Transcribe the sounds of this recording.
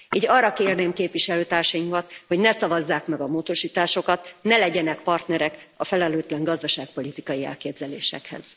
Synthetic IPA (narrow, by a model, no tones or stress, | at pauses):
iːɟɒrːɒkeːrneːmkeːpviʃɛløːt̪aːrʃɒimkɒt̪ho̞ɟnɛsɒvɒzːaːkmɛɡɒmoːd̪oʃiːt̪aːʃo̞kɒt̪nɛlɛɟɛnɛkpɒrt̪nɛɾɛkɒfɛlɛløːt̪lɛŋɡɒzd̪ɒʃaːk̚po̞lit̪ikɒjiɛ̰lkeːbzɛleːʃɛ̰khɛ̰z̥